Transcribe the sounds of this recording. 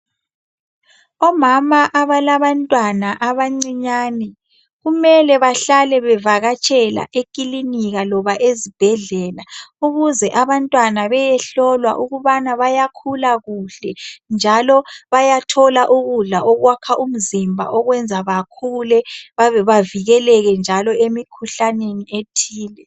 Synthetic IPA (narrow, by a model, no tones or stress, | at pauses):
ɔmamaʔaβalaβantʼwanaʔaβaŋ͡ǀiɲaːnɛ | ɣumɛlɛβaɬalɛβɛvaɣat͡ʃʼʰɛla̰ʔekʼiliniɣalɔβaʔezib̥ʱɛɮɛːlauɣuzɛʔaβantʼwanaβɛjɛɬɔlwa̰ʔuɣuβanaβajakʰulaɣuɬɛnd͡ʒʱalɔβajatʰɔlaʔuɣuɮaʔɔɣwakʰaʔum̩zimbʱa̰ʔɔɣwɛnd͡zʱaβakʰulɛβaβɛβaviɣɛlɛɣɛnd͡ʒʱalɔemikʰuɬanenietʰiːlɛ